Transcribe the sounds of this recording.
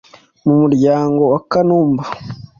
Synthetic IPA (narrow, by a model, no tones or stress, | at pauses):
mumuɾɟaːŋɡo̞wakanuːmba